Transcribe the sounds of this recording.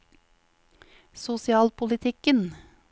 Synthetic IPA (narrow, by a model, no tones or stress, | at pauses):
sʊsɪɑːlpʰʊlɪt̪ʰɪkən